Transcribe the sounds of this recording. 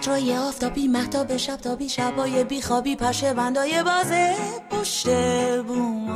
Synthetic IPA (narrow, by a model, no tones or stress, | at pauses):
t̪ʰɾɒːjeɒːft̪ʰɒːbiːmæht̪ʰɒːbeʃæb̥̚t̪ʰɒːbiːʃæbɒːjebiːxɒːbiːpʰæɾʃebænd̪ɒːjebɒːzekʰoʃt̪ebu